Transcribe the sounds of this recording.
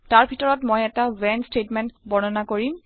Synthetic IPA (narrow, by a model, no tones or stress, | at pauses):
taɹbʱitɔɹɔtmojɛtawɛnstetmɛntbɔnɔnakoɹim